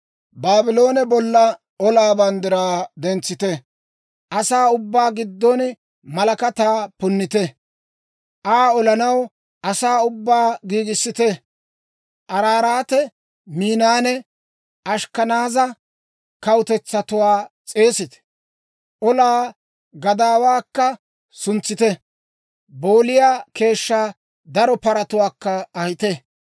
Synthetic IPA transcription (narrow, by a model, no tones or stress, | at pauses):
baːbɪloːnɛbɔlːɐ | ɔlaːbɐnd̪ɪɾaːd̪ɛnt͡sːɪt̪ɛ | ʔɐsaːʊbːaːɡɪd̪ːɔn | mɐlɐkɐt̪aːpʊnːɪt̪ɛ | ʔaːɔlɐnɐw | ʔɐsaːʊbːaːɡiːɡɪsːɪt̪ɛ | ʔɐɾaːɾaːt̪ɛ | miːnaːnɛ | ʔɐʃkɐnaːzɐ | kɐwt̪ɛt͡sːɐt̪ʊwaːt͡sʼe̞ːsɪt̪ɛ̥ | ʔɔlaː | ɡɐd̪aːwaːkːɐ | sʊnt͡sːɪt̪ɛ | boːlɪjaːke̞ːʃːaː | d̪ɐɾɔpɐɾɐt̪ʊwaːkːɐɐhɪt̪ɛ